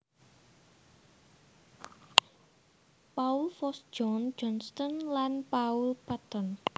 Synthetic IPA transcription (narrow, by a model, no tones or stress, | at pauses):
paulfɔsd͡ʒɔnd͡ʒɔnst̪ɔnlanpaulpat̪ɔn